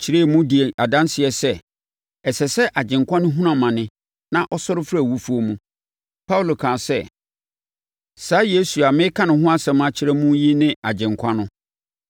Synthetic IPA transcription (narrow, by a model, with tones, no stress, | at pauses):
t͡ɕʰɪ˨˦ɾe˦˨mũ˦di˨e˨a˨dã˦nsɪ˨ɛ˨sɛ˦ | ɛ˨sɛ˨sɛ˦ʔa˨d͡ʑɪ̃˨ŋkʰʷã˦nʊ̃˦ɦũ˦nã˨mã˨nɪ̃˦ | nã˦ʔɔ˦sɔ˦ɾɪ˦fɾa˦˨wu˦fu˦o˦mũ˦ | pʰa˦u˨lo˨kʰãː˨sɛ˦˨ | saː˨˦je˦su˨a˨mɪ̃˦kʰã˦nʊ̃˨ɦʊ̃˦a˦sɛ̃˨mã˨t͡ɕʰɪ˦ɾɛ˦mũ˦ji˦nɪ̃˦a˨d͡ʑɪ̃˨ŋkʷʰã˦nʊ̃˦